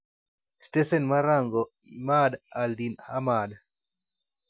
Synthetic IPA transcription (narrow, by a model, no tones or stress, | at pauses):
stesɛnmaɾaŋɡɔimadaldinhamad